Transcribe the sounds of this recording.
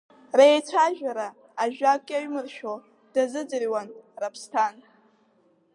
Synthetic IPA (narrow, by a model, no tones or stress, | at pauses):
rejt͡ʃʷʰaʒᶣaɾaː | ʒᶣakʷʼaɥmɨrʃᶣo | d̥azɨd͡zɨrwanrapʰstʰan